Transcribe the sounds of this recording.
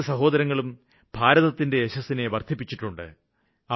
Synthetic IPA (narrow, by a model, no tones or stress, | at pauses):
sɐɦo̞ːd̪ɐɾɐŋːɐɭum | b̥ʱaːɾɐðɐt̪ːinde̞ːɕɐsːine̞ʋɐrd̪ʱip̬ːit͡ɕːiʈːuɳɖɨ̰ | ɐ